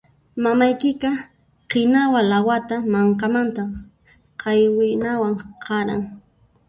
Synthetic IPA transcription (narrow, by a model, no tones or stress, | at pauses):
mamajkɪkɑ | qɪnawalawat̪amaɴkamant̪a | qɑjwɪnawaŋqɑɾa̰ŋ